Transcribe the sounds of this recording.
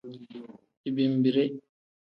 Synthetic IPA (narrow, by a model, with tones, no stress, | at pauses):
i˨bi˨mbi˨ɾɛ˦